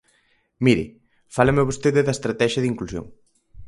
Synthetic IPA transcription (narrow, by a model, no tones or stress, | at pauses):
miɾɪ̰ | falɐmeβ̞ost̪eðɪðɐest̪ɾat̪ɛʃjɐðiŋklusjo̰ŋ